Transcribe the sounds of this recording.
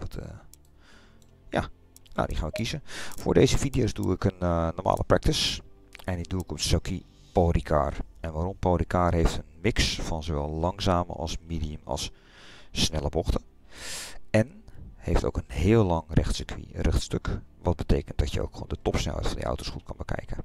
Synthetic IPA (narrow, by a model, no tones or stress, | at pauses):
ʋtʰ | ja̰ | no̰wdixaːnʋəkizəfʊːɹdejzəfidijoːzduːɪkənnːɔɹma̰ːlʔəprɛ̰k̚tɪs | ɛndiduɪkɔpsokʰi | porikʰa̰ːrɛnʋaːɾɔmpoːɾikʰaːrɦejftənmɪksfɑnzoʋɛlˠlɑŋzaːmə̰ʔɑ̰lˠsmidiəmɑ̰lˠsː | nɛlˠəbɔxtə | ɛnhefto̰ːkənɦɪːəllɑŋrɛtsəkʋḭrɛxtstøkʋɑt̚bətejkənt̚dɔtjə̰o̰wkχo̰ːndətɔpsnɛlˠɦɛ̰jtfɑndḭʔa̰wtoːsχxut̚kɑnbəkʰɛ̰jkə